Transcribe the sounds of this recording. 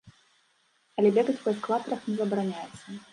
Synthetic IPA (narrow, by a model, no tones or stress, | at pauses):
ɐlʲɛbʲɛɡɐt͡sʲpɐɐsklˠat̪ɐɾɐxnʲɛzɐbɾanʲajɛt̪sːɐ